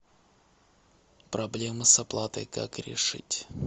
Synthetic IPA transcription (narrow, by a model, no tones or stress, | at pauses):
pɾɐblʲemɨsɐplˠat̪əjka̰kɾʲɪ̰ʂɨ̰tʲ